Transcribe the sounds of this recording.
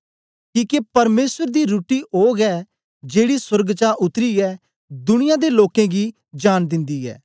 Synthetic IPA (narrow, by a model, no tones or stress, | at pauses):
kiːkepɐɾmeːsəɾd̪iɾuːʈioːɡɛː | d͡ʒeːɽiswəɾɡt͡ʃaːʔʊt̪ɾiɛː | d̪ʊnɪjãːd̪eloːkẽɡi | d͡ʒaːnd̪ɪ̃nd̪iːɛ̰ː